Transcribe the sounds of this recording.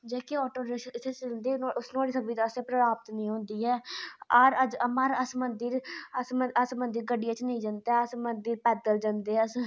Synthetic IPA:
d͡ʒeːkeɔːʈoːɾeʃəɪt̪ʰːet͡ʃənd̪iːʊsnũːaːɽiːsəbiːt̪ːəsẽːpɾəɾaːpət̪nĩːɦõnd̪iːɛːəɾəd͡ʒəmaɾəsmənd̪iɾəsməəsmənd̪iɾɡəɖijaːt͡ʃnəĩːd͡ʒãːnd̪eɛəsmənd̪iɾpɛːd̪əld͡ʒand̪eːəs

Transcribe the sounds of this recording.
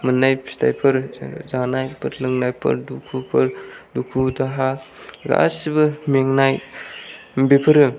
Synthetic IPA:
mɯnːajpstʰa̰jpʰɯɾzanajpʰɯɾlɯŋnajpʰɯ̰ɾdukʰupʰɯɾdukʰudaɦaɡa̰sibɯmeŋnaj | bepʰɯɾɯ

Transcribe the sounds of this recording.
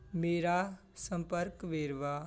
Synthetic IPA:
meːɾa | sə̃mpəɾkʋeːɾʋaː

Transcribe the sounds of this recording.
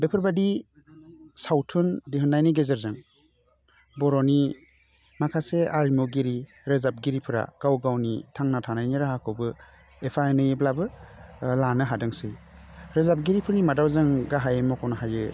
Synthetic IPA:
bepʰɯɾbadi | sawtʰɯndiɦɯnajniɡezeɾzɯŋ | bɔɾɔni | makʰaseaɾimɔɡiɾi | ɾɯzap̚ɡiɾipʰɯɾa̰ɡ̥awɡawnitʰaŋnatʰanajniɾaɦakʰɯbɯ | epʰaenɯjeblabɯlanɯɦadɯŋsɯjɾɯzap̚ɡiɾipʰɯɾnimadawzɯŋɡaɦajemɔkʰɔnaɦajɯ

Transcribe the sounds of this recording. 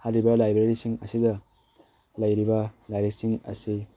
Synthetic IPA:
haɾibɐlajbɾeɾisiŋɐ̰sidɐ | lɐjɾibɐlajɾek̚siŋɐ̰si

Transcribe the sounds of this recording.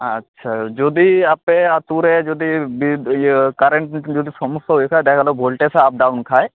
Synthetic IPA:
ɐtːʃʰad͡ʒoːd̪iapeat̪uɾed͡ʒoːd̪ibikɐɾə̃ɳʈd͡ʒoːd̪isɔmʊsɦoikʰad̪ekʰalobʱoːlʈeseaːp̚ɖaːunkʰaːe

